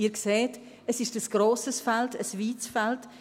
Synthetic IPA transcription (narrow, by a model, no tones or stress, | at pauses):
iːɾkseːt | əsɪʃtəsɡ̥ɾoːsəsfɛltəsviːt͡sfɛlt